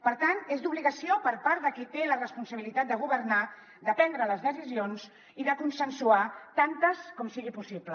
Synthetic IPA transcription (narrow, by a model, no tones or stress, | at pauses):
pəɾt̪anezd̪uβliɣəsiopəɾpaɾd̪əkit̪elərəspunsəβilit̪at̪̚d̪əɣ̞uβəɾna | d̪əpɛnd̪ɾələzðəs̬izionz | iðəkunsənsuat̪ant̪əskɔmsiɣipusiplə